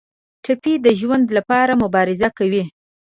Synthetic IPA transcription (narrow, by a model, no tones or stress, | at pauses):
ʈʰapid̪əʒwand̪lapɑɾamʊbɑɾɪzakawi